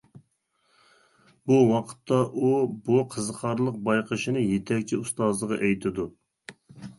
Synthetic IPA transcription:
buwɑqʰə̥t̪ːɑʔubuqʰəzqʰɑɾlˠəq̚bɑjqʰəʃinɨjet̪ʰɛk̚ʲt͡ʃʰiust̪ɑzlˠəʁɑʔɛjt̪ʰɪd̪u

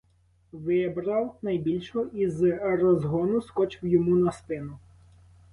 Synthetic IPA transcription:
ʋɪbɾɐwnɐjbʲilʲʃɔizɾɔzɦɔnʊskɔt͡ʃɪwjɔmunɐst̪ɪnʊ

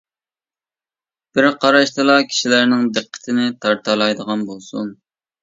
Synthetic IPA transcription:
b̥ɪɾqʰɑɾɑʃt̪ɨlˠɑkʲʰi̥ʃilæɾnɪŋd̪ɨqʰːə̥t̪ʰɪnɪt̪ʰɑɾt̪ʰɑlˠɑjd̪əʁɑnbolˠsun

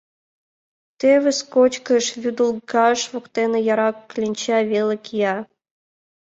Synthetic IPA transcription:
t̪eβʲɘ̆skot͡ɕkə̆ʃvʲyd̪ulˠɡɑʃvokt̪enĕjɑɾɑkːlʲinʲt͡ɕɑvʲelʲɘ̆kʲjɑ

